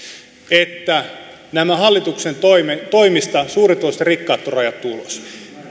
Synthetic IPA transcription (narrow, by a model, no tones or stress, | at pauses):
et̪ːæ | næmæhɑlːit̪uksent̪oimet̪oimist̪ɑsuːrit̪oist̪ɑrikːɑːt̪ːorɑjɑt̪ːuulo̰s